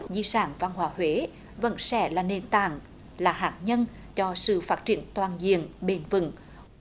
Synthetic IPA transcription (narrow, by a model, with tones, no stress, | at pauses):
zi˧saː˧˩ŋva˧nɦwaː˧˦ɦwe˨˦ | və̰˧˥nsɛ̰˧˩˦laː˨˩ne˨˩nt̪a̰ː˧˨ŋ | laː˨˩ɦaː˨˩t̚ɲə˧n | t͡ɕɔ˧sɨ̰˧˨faː˦˥t̚t͡ɕi˧˩ənt̪waː˨˩nzḭ˧˨ənɓe˧nvɨ̰˧˩˦ŋ